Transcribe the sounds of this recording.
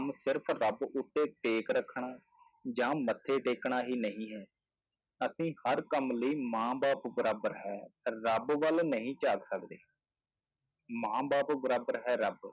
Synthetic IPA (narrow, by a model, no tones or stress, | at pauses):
msɪɾpʰɾəbʊt̪ːeːʈeːkɾəkʰɳaː | d͡ʒãːmət̪ʰːeːʈeːkɳaːɦiːnəɦĩːɦɛː | əsĩːhəɾkəmləiːmãːbaːpbəɾaːbəɾɦɛːɾəbʋəlnəɦĩːt͡ʃaːɡsəkd̪eː | mãːbaːpbəɾaːbəɾɦɛːɾəb